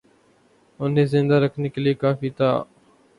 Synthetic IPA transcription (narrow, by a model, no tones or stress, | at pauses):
ʊnẽːzɪ̃nd̪aːɾəkʰniːkəliːkaːfiːt̪aː